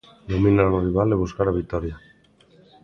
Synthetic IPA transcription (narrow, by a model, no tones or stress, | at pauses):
d̪omĩnanoriβ̞aleβ̞uskaɾaβit̪ɔɾja